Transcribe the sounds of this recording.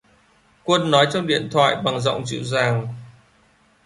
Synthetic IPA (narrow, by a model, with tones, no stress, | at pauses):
kwə˧nːɔ˨˦jt͡ɕɔ˧wŋ͡mɗḭ˧˨ənt̪ʰwa̰ː˧˨jɓa˨˩ŋzɔ̰˧˨wŋ͡mzɨ̰˧˨zaː˨˩ŋ